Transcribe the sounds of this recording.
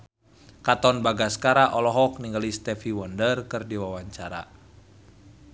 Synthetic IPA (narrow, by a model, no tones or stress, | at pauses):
kat̪ɔnbaɡaskaɾaʔɔlɔɦɔk̚niŋɡalist̪ɛfiwəndərkɨrdiwawaɲt͡ʃaɾa̰